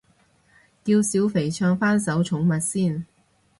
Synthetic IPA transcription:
kiː˧wsiː˨˥wfe˨˩jt͡ʃʰœː˧ŋfaː˥nsɐ˨˥wt͡ʃʰʊ˨˥ŋmɐ˨t̚siː˥˩n

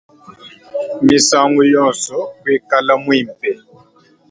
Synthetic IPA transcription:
mi˨sa˦˨ŋɡu˦jɔ˦˨nsɔ˦be˦˨ka˦la˦mwi˦˨m̩˨pɛ˨

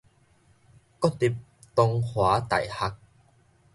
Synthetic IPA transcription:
kɔ˥t̪i˨˩p̚ | t̪o˧ŋhwaː˨˦t̪ɐ̰˨˩jha˧k̚

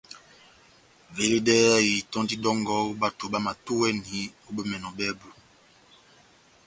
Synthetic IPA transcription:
ve˨le˦dɛ˦a˦ji˨tɔ̃˦ndi˦dɔ˦ŋɡɔ˦u˦ba˨to˨ba˦ma˨tu˦wɛ˦ni˨˦o˦be˦mɛ˨nɔ˨bɛ˦bu˨

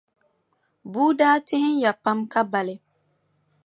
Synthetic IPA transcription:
buː˦daː˦tɪ˦hɪ˦nja˨pa˦mka˦ba˨lɪ˦

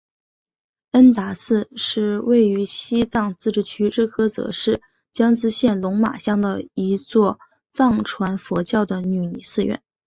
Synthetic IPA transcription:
ə˥nt̪a˧˥sɹ̩˥˧ʂɻ̩˥˧we˥˩ɪy˧˥ɕi˥t͡sɑ˥˧ŋt͡sɹ̩˥˧ʈ͡ʂɻ̩˥˩t͡ɕʰy˥ʈ͡ʂɻ̩˥˩kʰɤ˥t͡sɤ̰˧˥ʂɻ̩˥˩ | t͡ɕjɑ˥ŋt͡sɹ̩˥ɕjɛ˥˩nlʊ˧˥ŋma̰˨˩ɕjɑ˥˩ŋd̪ə̰˩i˧˥t͡swɔ˥˧ | t͡sɑ˥˩ŋʈ͡ʂʰwa˧˥nfwɔ˧˥t͡ɕjɑ˥˩ʊd̪ə˩ny˧˩ni˨˩sɹ̩˥˧ɥɛ̰˥˩˦n

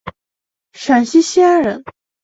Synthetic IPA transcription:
ʂa˨˩nɕi˥ɕi˥a˥ɻə˧˥n

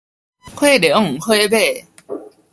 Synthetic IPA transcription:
kʰwe˥˩˨de˨˥˩ŋ̩˨xʰwe˥˧be˥˩˨

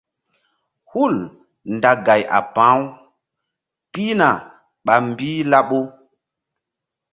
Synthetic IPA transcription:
hu˦˨l | nda˨ɡa˨jʔa̰˨pãː˨˦w | pi˦na˨ | ɓa˨m˦biː˦la˦ɓo˦

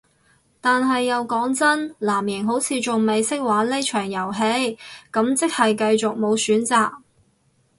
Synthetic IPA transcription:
t̪aː˨nɦɐ˨jːɐ˨˧wkɔː˨˥ŋt͡sɐ˥nlaː˨˩mjɪ˨˩ŋɦo˨˥wt͡sʰiː˨˧t͡ʃʊ˨ŋme˨˧jsɪ˥k̚waː˨˥le˥t͡ʃʰœː˨˩ŋjɐ˨˩wɦe˧jkɐ˨˥mt͡sɪ˥k̚hɐ˨jkɐ˧jt͡sʊ˨k̚mo˨˧wsyː˨˥nt͡saː˨k̚

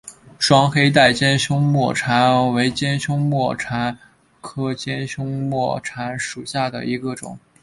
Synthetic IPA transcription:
ʂwɑ˥ŋxe˥ɪt̪a˥˩ɪt͡ɕjɛ˥nɕjʊ˥ŋmwɔ˥˩ʈ͡ʂʰa˧˥nwe˧˥ɪt͡ɕjɛ˥nɕjʊ˥ŋmwɔ˥˩ʈ͡ʂʰa˧˥n | kʰɤ˥t͡ɕjɛ˥nɕjʊ˥ŋmwɔ˥˩ʈ͡ʂʰa˧˥nʂu˨˩ɕja˥˩d̪ə̰˩i˧˥ɡə˧ʈ͡ʂʊ̰˨˩˦ŋ

